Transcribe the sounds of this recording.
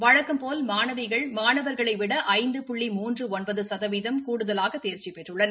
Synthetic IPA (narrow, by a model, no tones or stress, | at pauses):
ʋɐɻɐkːɯmpoːlmaːnɐʋɐɪɣɐɭmaːnɐʋɐɾɣɐɭɐɪʋɪɽɐʔɐɪnd̪ɯpʊɭːimuːndrɯɔnbɐðɯsɐðɐʋiðɐmkuːɽɯðɐlaːɣɐt̪ːeːɾt͡ʃipɛʈrɯɭːɐnɐ